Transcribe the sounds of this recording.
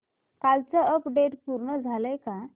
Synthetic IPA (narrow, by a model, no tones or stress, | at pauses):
kalt͡səəpɖeʈpuɾɳəd͡zʱaləjka